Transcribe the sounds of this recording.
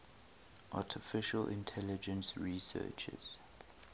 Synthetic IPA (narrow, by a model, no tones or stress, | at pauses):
ʔaˑtʰɪfɪʃəlʔɪ̰̃ntʰɛlɪd͡ʒə̃nsɹisɜ̰ːt͡ʃɪ̰z̥